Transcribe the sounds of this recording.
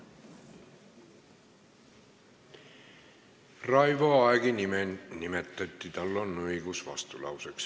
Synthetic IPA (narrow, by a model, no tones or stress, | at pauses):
rɑjvoɑeɡ̥inimenimet̪ːˑɑt̪ːit̪ɑlːonːɤjɡusvɑ̰st̪ulɑ̰wseks